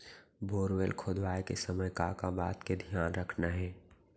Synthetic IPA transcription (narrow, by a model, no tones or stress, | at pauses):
bʱoːɾʋelkʰoːd̪ʋaːjkesəməjkakabaːt̪ked̪ʱijaːnɾəkʰnaɦɛ̃ː